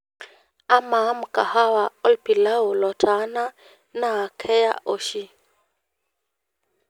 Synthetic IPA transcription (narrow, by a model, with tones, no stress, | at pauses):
a˦ma˨˦m̩˨kʼa˨ha˦wa˨ɔ˦lpi˨la˦ʊ˨lɔ˨tʰʼa˨˦na˦ | na˦˨kʰɛ˦ja̰˦ʔo˦ʃi˦